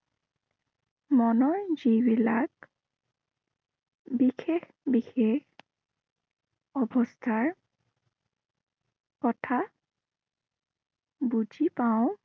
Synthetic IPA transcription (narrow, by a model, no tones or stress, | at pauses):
mɔnɔjzibilak | bixʰex | bixex | ɔbɔstʰaɹ | kɔtʰa | bud͡ʒipaʊ̃